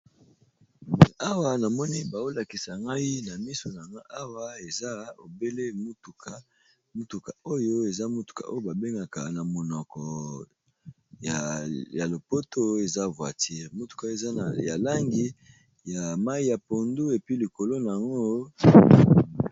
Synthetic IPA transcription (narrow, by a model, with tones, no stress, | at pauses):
a˦wa˦na˨mɔ˦ni˦ba˨o˦la˨ki˨sa˨ŋɡa˦i˦na˨mi˦so˨na˨ŋɡa˦ʔa˦wa˦e˨za˦o̰˨be˦le˦mu˦tu˨ka˨ | mu˦tu˨ka˨o˦jo˦e˨za˦mo˦tu̥˨ka̰˨ʔo˦jo˦ba˨be˦ŋɡa˨ka̰˨na˨mo˨nɔ˨kɔ˨ | ja˨ja˨lo˨po˦tʰo˦e˨za˦vwa̰˨ti˦ʁmo˦tu̥˨ka˨˦e˨za˦ja˨la˦ŋɡi˦ | ja˨ma˦i˦ja˨po˨ndu˦e˨pi˦li˨ko˨lo˦na˨a˨ŋɡo˦